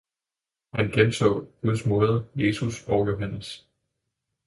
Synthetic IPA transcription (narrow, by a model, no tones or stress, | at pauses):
hænɡ̥ent͡sʰɔ̰̽ːɡ̥uð̞ˠsmɔ̽ːð̞ˠəje̝ːsusɒʊjo̝ɦænəs